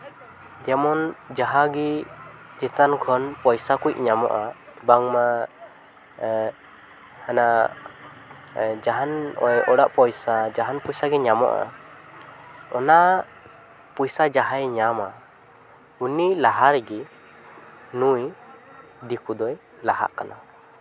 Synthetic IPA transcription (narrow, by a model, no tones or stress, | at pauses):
d͡ʒɛmɔnd͡ʒaɦaɡi | d͡ʒɛt̪ankʰɔnpɔjsakujc̚ɲamɔ̰ʔabaŋma | hana | d͡ʒaɦanɔ̰jɔɽaʔpɔjsad͡ʒaɦanpɔjsaɡɛɲamɔ̰ʔa̰ | ɔna | pujsad͡ʒaɦajɲama | unilaɦaɾɛɡi | nuj | d̪ikud̪ɔj | laɦa̰ʔkanʔa